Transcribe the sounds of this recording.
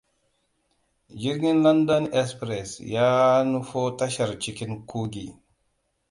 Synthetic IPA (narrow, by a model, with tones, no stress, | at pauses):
d͡ʒi˦ɾɡi˦nla˦nda˦ne˦spɾe˨sja˦nu˦fo˦ta˦ʃa˨ɾt͡ʃi˨ki˦nkʰu˦ɡḭ˨